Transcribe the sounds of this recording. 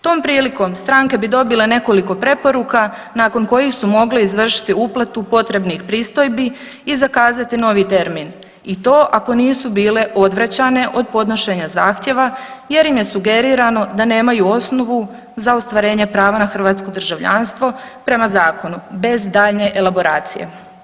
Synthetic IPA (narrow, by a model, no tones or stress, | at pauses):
t̪o̞ːmpɾiːliko̞mst̪ɾaŋke̞bid̪o̞bile̞ne̞ko̞liko̞pɾe̞po̞ɾuka | naːko̞nko̞jixsumo̞ɡleizʋr̩ʃi̥t̪iuplˠat̪upo̞t̪ɾe̞bnixpɾiːst̪o̞jbi | izakaːzat̪ino̞ʋit̪e̞ɾmin | it̪o̞ːʔako̞niːsubiːle̞ʔo̞d̪ʋɾat͡ɕane̞ʔo̞d̪̚po̞d̪no̞ʃe̞ɲazaːxt̪je̞ʋaje̞ɾimje̞suɡe̞ɾiɾano̞d̪ane̞ːmajuo̞sno̞ʋu | zaost̪ʋaɾe̞ːɲe̞pɾaːʋanaxr̩ʋat̪sko̞d̪r̩ʒaʋʎa̰nst̪ʋo̞pɾe̞mazaːko̞nube̞zd̪aːʎne̞ʔelˠabo̞ɾaːt̪sḭjḛ